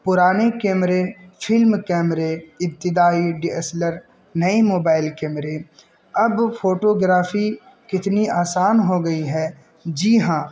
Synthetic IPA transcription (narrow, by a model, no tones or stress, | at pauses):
pʊɾaːnekɛːmɾefʰɪlmkɛːmɾeɪb̚t̪ɪd̪aːiɖiesləɾ | nɐemoːbaːɪlkɛːmɾe | ɐbpʰoːʈoːɡɾaːfʰi | kɪt̪niaːsaːnɦoɡɐiɦɛ | d͡ʒiːɦãː